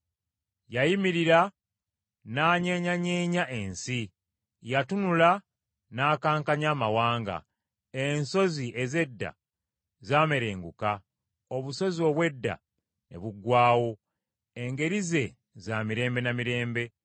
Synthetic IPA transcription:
jajimiɾiɾa | naːɲeɲaɲeːɲaʔe̞nsi | jatunula | naːkaːŋkaɲaːmawaːŋɡa̰ | enso̞ziʔe̞ze̞dːa̰ | zaːme̞ɾe̞ːŋɡuka | oβuso̞zio̞ːβwe̞dːa̰ | ne̞̰βuɡwaːwo̞ | eŋɡe̞ɾize̞ | zaːmiɾe̞ːmbe̞namiɾe̞ːmbe̞

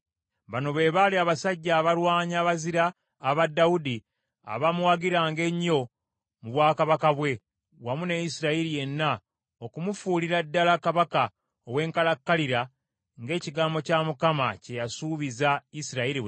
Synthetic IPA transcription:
βano̞βe̞ːβaliaβasaɟːaːβaɾwaːɲaːβaziɾaː | βadːaudi | a̰βamwaɡiɾaːŋɡe̞ɲːo̞ | muβwaːkaβakaβwe̞ | wamunejisiɾaiɾije̞nːa | okumufuːliɾadːalakaβaka | owe̞ːŋkalakːaliɾa | ŋɡe̞ːciɡaːmbo̞camukamace̞jasuːβizaisiɾaiɾi

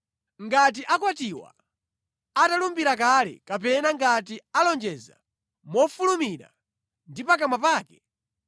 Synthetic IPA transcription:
ŋɡat̬iʔakwatiwa̰ | atalumbiɾak̬alɛ̰kapɛnaŋɡat̬ialɔnd͡ʒɛza̰ | mɔfulumiɾa̰ | ndipak̬amapaːkɛ̥

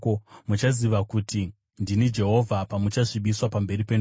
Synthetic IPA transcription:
omut͡ʃaziʋakuti | ndinid͡ʒe̞ɦo̞vʱapamut͡ʃaʐiɓiswapambe̞ripen

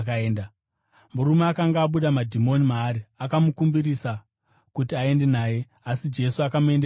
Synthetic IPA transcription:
kaeːnda | muɾumeakaŋɡaːɓuɗamadʱimo̞nimaːɾiakamukumbiɾisa | kutiae̞nde̞naːje̞ | asid͡ʒe̞suakamue̞nde

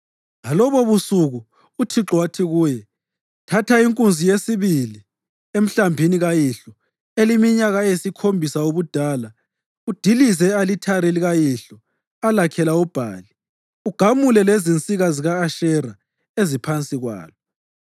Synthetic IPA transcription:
ŋalɔβɔβusuɣu | utʰiǁwatʰiɣuːjɛ | tʰatʰaiŋkʼunzʱijesiβili | em̩ɬambʱiniɣajiɬɔ | elimiɲaɣajsikʰombʱisaoβud̥ʱaːla | ud̥ʱilizɛalitʰaɾiliɣajiɬɔ | alakʰɛlaub̥ʱa̰ːli | uɡ̥ʱamulɛlezint͡sʼiɣaziɣaːʃɛra | ezipʰant͡sʼiɣwa̰ːlɔ

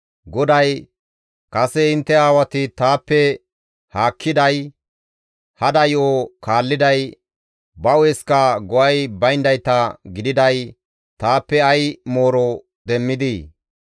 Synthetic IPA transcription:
ɡɔd̪ɐj | kɐsɛɪnt̪ːɛaːwɐt̪ɪt̪aːpːɛ | haːkʰːɪd̪ɐj | hɐd̪ɐjokaːlːɪd̪ɐj | bɐwɛskɐɡɔʔɐjbɐjnd̪ɐjt̪ɐɡɪd̪ɪd̪ɐj | t̪aːpːɛɐjmo̞ːɾɔ | d̪ɛmːɪd̪i

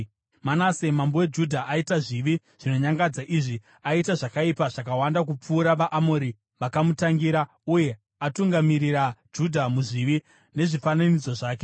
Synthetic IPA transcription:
manasemambowe̞d͡ʒudʱaʔaitaʐiʋi | ʐ̥ino̞ɲaŋɡad͡zaʔiʐi | aitaʐakaipaʐakawandakup͡fuːɾaʋaʔamoɾi | ʋakamutaŋɡiɾa | uje̞ | atuŋɡamiriɾad͡ʒudʱamuʐiʋi | ne̞ʐifananid͡zo̞ʐaːk̬e

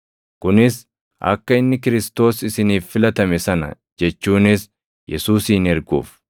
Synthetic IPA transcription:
kʊnɪs | ʔɐ̰kːɐɪnːɪkɪɾɪst̪o̞ːsɪsɪniːfːɪlɐt̪ɐmɛsɐnɐ̰ | d͡ʒɛt͡ʃːuːnɪs | jʔɛsuːsːnɛɾɡṵːf

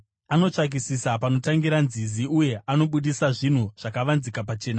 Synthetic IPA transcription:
ano̞t͡ʂak̬isisapano̞taŋɡiɾanziziuje̞ʔano̞ɓuɗisaʐin̤uʐ̥akaʋanzikapat͡ʃe̞ːna

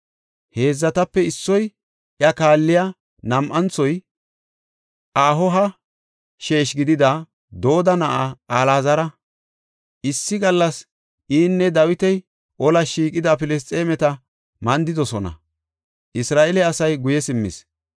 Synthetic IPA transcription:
he̞ːzːɐt̪ɐpːɛɪsːɔj | ʔjɐkaːlːɪja | nɐmʔɐnt͡sːɔj | ʔaːɦɔɦɐ | ʃe̞ːʃɡɪd̪ɪd̪ɐ | d̪o̞ːd̪ɐnɐʔaaːlaːzɐɾɐ | ʔɪsːɪɡɐlːɐs | ʔiːnːɛd̪ɐwɪt̪ɛj | ʔɔlɐʃiːkʼɪd̪ɐpɪlɛs̬t̪ʼeːmɛt̪ɐ | mɐnd̪ɪd̪ɔsɔnɐ̰ | ʔɪsɾaːʔɛlɛɐsɐjɡʊjɛsɪmːɪ̰s

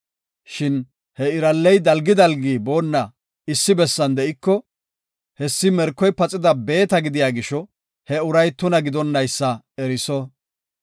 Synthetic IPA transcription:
ʃɪn | hɛɪɾɐlːɛjd̪ɐlɡɪd̪ɐlɡiːbo̞ːnːɐ | ɪsːɪbɛsːɐnd̪ɛʔɪkːɔ | hɛsːɪmɛɾkːɔjpɐt͡sʼːɪd̪ɐbe̞ːt̪ɐɡɪd̪ɪjaːɡɪʃɔ | hɛʊɾɐjt̪ʊnɐɡɪd̪ɔnːɐjsːɐ | ɛɾɪsɔ

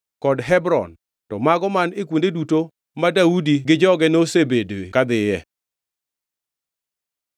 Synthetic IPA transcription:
kɔdɦɛbɾɔ̰n | tɔmaɡɔmanekwondeduto | madaudiɡɪd͡ʒɔɡɛnosebedwekad̪ɪjɛ

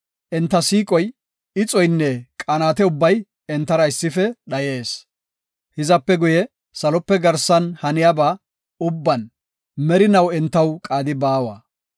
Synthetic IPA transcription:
ʔɛnt̪ːɐsiːkʼɔj | ɪt͡sʼɔjnːɛkʼaːnaːt̪ɛʊbːɐj | ɛnt̪ːɐɾɐɪsːɪfɛɗɐje̞ːs | hɪzɐpːɛɡʊjɛ | sɐlɔpːɛɡɐɾsɐnhɐnɪjabaː | ʊbːɐn | mɛɾɪnɐwɛnt̪ːɐwkʼaːd̪ɪbaːwɐ̰

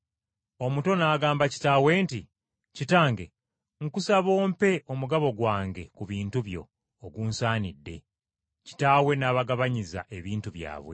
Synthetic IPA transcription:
o̞muto̞naːɡaːmbaci̥taːwe̞ːnti | citaːŋɡe̞ | ŋkusaβo̞ːmpe̞ʔo̞muɡaβo̞ɡwaːŋɡe̞kuβiːntuβjo̞̰ː | ɡuːnsaːnidːe̞ | ci̥taːwe̞naːβaɡaβaɲiza̰ʔe̞βiːntuβja̰ːβwe̞̰

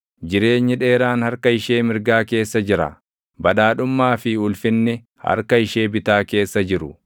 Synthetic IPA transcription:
d͡ʒɪɾe̞ːɲːɪᶑe̞ːɾaːnhɐɾkɐɪʃe̞ːmɪɾɡaːke̞ːsːɐd͡ʒɪɾɐ̰ | bɐᶑaːᶑʊmːaːfɪʊlfɪnːɛ | hɐ̰ɾkɐɪʃe̞ːbɪt̪aːke̞ːsːɐd͡ʒɪɾʊ̰

